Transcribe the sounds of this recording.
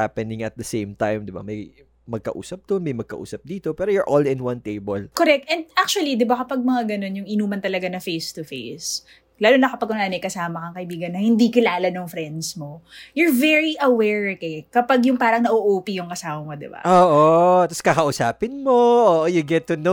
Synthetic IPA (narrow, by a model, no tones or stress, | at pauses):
aːpɛnɪ̃ŋɐt̪̚d̪ɐsẽjmt̪ajmd̪ɪba̰mɐj | mɐɡ̚kɐ̰ʔṵːsɐp̚d̪onmɐjmɐɡ̚kɐʔṵːsɐp̚d̪iːt̪o̞pɛːɾojʊɹʔolɪ̃nwɐ̃nt̪ejbɐlkoɾɛk̚t̪ʔɛnd̪̚ʔak̚t͡ʃuɐlid̪ɪbakɐpɐɡ̚mɐŋaɡɐno̞njʊŋʔɪnuːmɐnt̪ɐlɐɡanɐfejst̪ʊfḛjs | laːlonɐkɐpɐɡʔʊnaːnɐjkɐsaːmɐkɐŋkɐʔibiːɡɐnːɐhɪnd̪ikɪlaːlɐnʊŋfɾɛnd̪smo̞jʊɹvɛɹiʔɐwɛɹkɛkɐpɐɡjʊŋpaːɾɐŋnɐʔoʔuːpijʊŋkɐsaːwɐmod̪ɪ̰ba̰ʔoːʔot̪ɐskɐkɐʔʊsaːpɪnmoʔoːʔojʊɡɛt̪ːʊno